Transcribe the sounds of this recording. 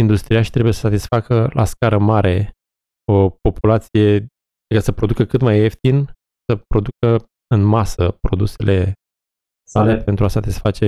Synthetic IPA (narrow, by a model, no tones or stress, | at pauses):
ind̪ust̪ɾiaʃt̪ɾe̞bujesə̥sat̪isfakəlʔa̰skaɾəmaɾʔe̞ | o̞po̞pulat̪sije̞ | kəsəpɾo̞d̪ukəkɨt̪majeft̪in | səpɾo̞d̪ukə | ɨnmasəpɾo̞d̪use̞le̞ | salepe̞nt̪ɾuasat̪isfat͡ʃe̞